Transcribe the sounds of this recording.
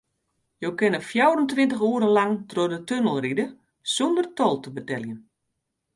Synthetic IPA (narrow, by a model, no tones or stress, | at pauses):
jowkɪnəfjawrəntʋɪntəxuəɾənlaŋtroədətønəlˠridə | sondərtɔlˠtəbətɛljən